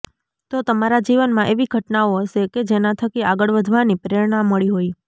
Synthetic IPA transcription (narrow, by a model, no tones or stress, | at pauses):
t̪ot̪əmaɾad͡ʒiʋənmãʔeʋiɡʱəʈnaoəʃeked͡ʒenat̪ʰəkiaɡəɭʋəd̪ʱʋanipəɾiɾɳ̃amːəɭiɦoi